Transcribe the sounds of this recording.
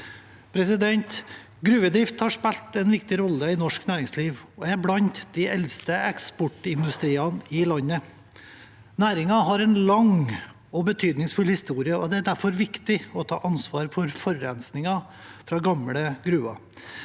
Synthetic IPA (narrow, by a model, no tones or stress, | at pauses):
pʰɾɛsɪd̪ɛnt̪ | ɡɾʉːʋəd̪ɾɪft̪hɑʂpɛlt̪ɛnʋɪkt̪ɪɾɔlːəɪnɔʂknæːɾɪŋsliːʋɔæɾblɑnt̪d̪̥ɪʔɛlst̪əɛkspɔʈɪnd̪ʉst̪ɾiːɑnɪlɑnːə | næːɾɪŋɑɦɑɾɛnlɑŋ | ɔbət̪ʰyːd̪nɪŋsfʉlhɪst̪uːɾɪəɔd̪ɛæd̪æɾfɔɾʋɪkt̪ɪɔt̪ʰɑ̰ːʔɑnsʋɑːɾfɔɾfɔɾɛnsnɪŋɑ | fɾɑɡɑmɽəɡɾʉːɑ̰